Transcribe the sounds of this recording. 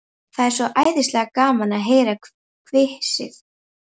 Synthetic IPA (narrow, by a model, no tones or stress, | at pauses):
θaðɛɾ̥sɔʔaːjðɪst̪lɛːɣakaːmanaðɦeːjɾa | kʰvɪhsɪ̰θ